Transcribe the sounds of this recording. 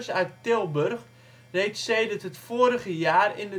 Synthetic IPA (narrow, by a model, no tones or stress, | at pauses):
sœɥttɪlˠbørx | rejtsseːdərtɦətfoːəɾəɣəjaːrɪndə